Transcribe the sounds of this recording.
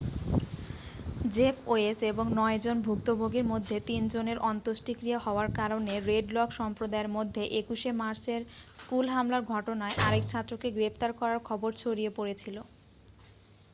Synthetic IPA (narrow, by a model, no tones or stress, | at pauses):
d͡ʑepʰoeseboŋnɔed͡ʑonbʱukt̪obʱoɡeɾmod̪ʱːet̪ind͡ʑoneɾɔnt̪oʃʈikɾijahɔoaɾkaɾoneɾeɖlɔkʃɔmpɾod̪aeɾmod̪ʱːeʔekuʃemaɾseɾskulɦamlaɾɡʱɔʈonaeʔaɾek̚t͡ɕʰat̪ːɾokeɡɾept̪aɾkɔɾaɾkʰɔboɾt͡ɕʰoɾiepoɾet͡ɕʰilo